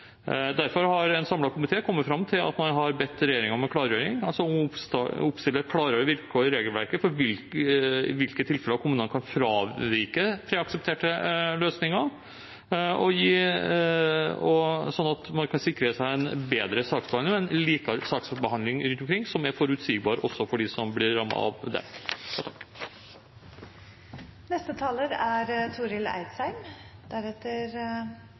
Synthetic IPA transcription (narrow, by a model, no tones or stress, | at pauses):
d̪æɾfɔɾhɑɾɛnsɑmlɑkʰʊmɪt̪ʰeːkʰɔmːətfɾɑmːt̪ʰɪlɑ̰t̪mɑnɦɑɾbɛt̪ːɾɛjeːɾɪŋɑmɛkʰlɑːɾjøːɾɪŋɑlsɔɔmpst̪ʊpst̪ɪlːəɾkʰlɑːɾəɖɛʋɪɾkːʰoːɾəɾeːɡəlʋæɾkəfɔɾʋɪlɪʋɪlkət̪ʰɪlfɛləɑkʰʊmʉːnənəkʰɑnfɾɑːʋɪɾkəpʰɾeːɑksəp̚t̪ʰeːʈəløːsnɪŋɑ | ɔjiː | ɔsɔnːɑt̪mɑnkʰɑnsɪkɾəsæɪɛnbeːd̪ɾəsɑːksbɑnəɛnliːkɑɾsɑːksbəhɑnd̪lɪŋɾʉnt̪ɔmkɾɪŋːsɔmæɾfɔɾʉt̪siːɡ̚bɑːɾəʔɔsːɔfɔɖɪsɔmblɪɾːɑmːɑ̰ɑ̰ʋd̪ɛ̰jɑt̪ʰɑkː | nɛst̪ət̪ʰɑːləɾæɾt̪ʰuːɾɪlæ̰ɪd̪sæɪmd̪̥æɾɛt̪ːəɾ